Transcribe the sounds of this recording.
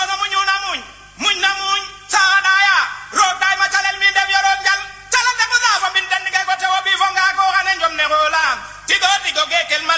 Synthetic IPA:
onomuɲunamuɲ | muɲnamuɲ | sakaɗajaɾok̚ɗajmat͡ʃalelmindebjɔɾotɲal | taleldekɔzafɔmbindendiɡekɔtewoɓifɔŋɡakɔkanend͡ʒɔmnekola | diɡodiɡoɡeɡelma

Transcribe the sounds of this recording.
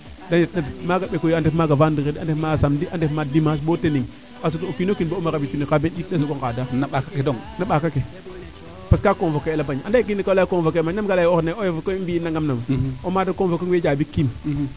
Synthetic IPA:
danetnadmaɡaɓekojiandemaɡavandiɣedandemaɡasamdiʔandefmadimas̬boteniŋ | kas̬utookinokinboomaabitunikabendit̚dasoɡoŋkadanaɓakakedoŋnaɓakake | paskakoŋvokeelabaɲandaikinikalakoŋvokemaamɡalajoɾnaojovkobinːaŋɡamnamomadakomvokoŋwed͡ʒabikːim

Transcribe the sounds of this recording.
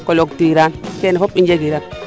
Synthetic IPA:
koloktiɾankenefopind͡ʒeɡiɾan

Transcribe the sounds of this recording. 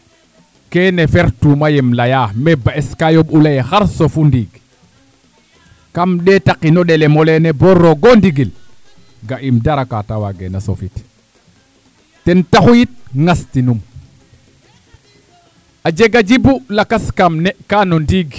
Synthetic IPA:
kɛnefɛɾtumajɛmlajamɛbaeskajobulajexaɾsofundiɡ | kamɗɛtakinɔɗɛlemolenebɔɾːoɡondiɡil | ɡaʔimdaɾakatawaɡḛnaso̰fit | tɛntaxujit̚ŋastinum | ad͡ʒeɡad͡ʒibulakaskamnɛkanondiɡ

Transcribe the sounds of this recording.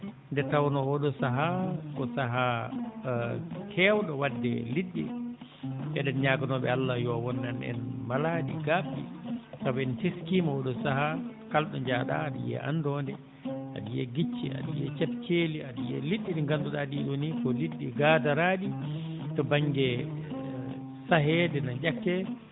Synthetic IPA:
ndɛtawnɔwɔɗɔsaɦakɔsaɦa | kʰɛːwɗɔwadːɛ̰liɗːɛ̰ | ɓɛɗɛnɲaɡanɔɓɛalːajɔwɔnːanɛ̰nmalaːɗḭɡabḭsabɛnteskimawɔɗɔsaɦakalɗɔɲd͡ʒaːɗa̰ːɗḭjɛ̰ʔa̰ndɔndɛ | ʔa̰ɗijɛ̰ɡit͡ʃːḭa̰ɗ̰jɛt͡ʃɛpt͡ʃeliaɗijɛ̰liɗːiɗiŋɡanduɗaɗiɗonikɔliɗːiɡadaɾaɗi | tɔbaŋɡɛ | saɦɛdɛnad͡ʒakːɛ

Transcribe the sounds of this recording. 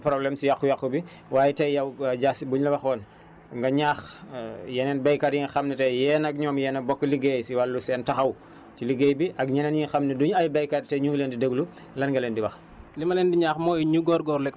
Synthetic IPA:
pɾɔblɛmsijaxujakːubi | waːjitɛjɐwɟaːsibuɲlɐwɐxɔːn | ŋɡɐɲaːxjɛnɛnbɛjkaɾjiŋxɐmnɛtɛjɛːnɐk̚ɲɔːmjɛːnɐbɔkːliɡejsiwalːusɛːntɐxɐw | t͡ʃiliɡejbiʔɐk̚ɲɛnɐnjiŋxɐmnɛduɲɐjbɛjkaɾtɛɲuŋɡleːndidəɡlu | lɐnɡɐlɛːndiwɐx | limɐlɛːndiɲaːxmɔːjɲuɡɔːɾɡɔːɾlɛk

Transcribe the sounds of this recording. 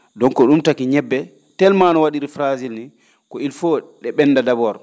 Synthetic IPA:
dɔnkɔɗumtakiɲɛbːɛ | tɛlmanɔwaɗiɾifɾazilni | kɔilfɔɗɛɓɛndadabɔɾ

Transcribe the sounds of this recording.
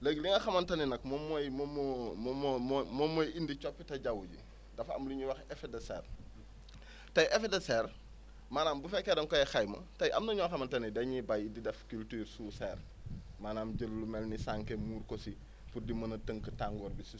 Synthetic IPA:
ləɡliŋɐxɐmɐntɐninɐkmɔmɔjmɔmmmmmɔmːɔjindit͡ʃɔpːitɐɟɐwuɟḭ | dɐfɐ̰mluɲuwɐxɛfɛdɛsɛːr | tɐjʔɛfedɛsɛːr | maːnaːmbufɛkːɛdɐŋkɔjɛxɐjmɐ̰tɐjʔɐmnɐɲɔxɐmɐntɐnidɛɲibɐjididɛfkyltyːɾsusɛːr | maːnaːmɟəlːumɛlnisaŋkɛmuːɾkɔsi | pudimɐnɐtəŋkətaŋɡɔːɾbisu

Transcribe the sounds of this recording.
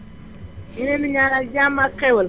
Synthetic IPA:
inemiɲaɾad͡ʒamakewəl

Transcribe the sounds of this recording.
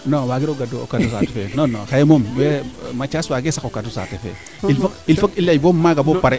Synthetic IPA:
nowaɡiɾoɡadoo̰katus̬a̰tefenonoxajemomwɛmat͡ʃaswaɡesakokatusa̰tefḛ | ilfakilfakilːajbomaɡabopaɾe

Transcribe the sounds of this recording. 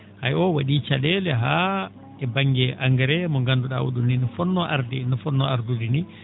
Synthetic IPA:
ha̰jɔwaɗit͡ʃalɛlɛɦa | ɛbaŋːɡɛʔaŋɡaɾɛmɔŋɡanduɗa̰wṵɗunninɔfɔnːɔʔa̰ɾdɛnɔfɔnːɔaɾdudini

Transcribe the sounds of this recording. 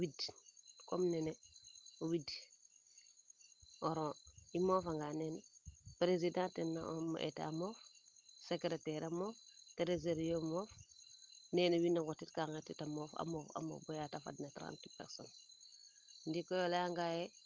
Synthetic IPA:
widkomneneowid | ɔɾõːimoːfaŋɡaːnenepɾezidãːntenːaʔom̰ʔḛta̰moːfsekɾetɛɾamoːfteɾezeɾijomoːf | nɛːnewinːaŋɡotitkaŋetitamoːfa̰moːfa̰mo̰ːfbojatafa̰dnatɾa̰ːntipɛ̰ɾso̰n | ndikojolaaŋɡae

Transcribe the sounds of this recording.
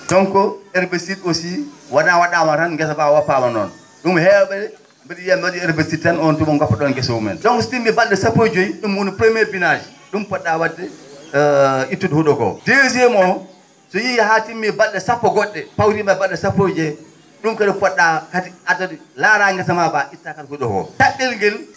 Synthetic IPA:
tɔŋkɔɛɾbesitosiwanawaɗamatanɡɛs̬afawapːamanɔ̰n | ɗumhɛwɓɛɛ | biɗijamɛwaɗiɛɾvesitːanɔntumɔŋɡɔpːaɗɔnɡɛswumɛ̰ntɔŋkɔstimːɛbalɗɛsapːod͡ʒojiɗumwonipɾemɛɾbinad͡ʒi | ɗumpɔɗːawadːɛ | itːudhuɗɔɡɔ̰deziɛmɔ | sɔjihatimːibalːɛsapːɔɡɔɗːɛpawtimabalːɛsapːod͡ʒɛ | ɗumkadifɔɗːakatiatadilaɾaŋɡɛsamabaʔitːakatihuɗɔɡɔ̰taɓːɛlɡɛl

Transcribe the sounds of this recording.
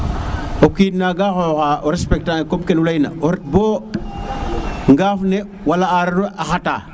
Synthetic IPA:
okinaɡaxoxaʔoɾespek̚takomkenulajna̰oɾet̚bo | ŋɡafne | walaaɾɾoʔaxata̰ː

